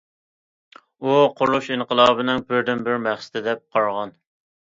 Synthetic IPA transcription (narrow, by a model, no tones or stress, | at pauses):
uqʰʊluʃiɴqʰəlˠɑːbɪnɪŋpʰɪɾd̪ɪnbɪɾmæχsɪ̥t̪ɪd̪ɛp̚qʰɑɾʁɑn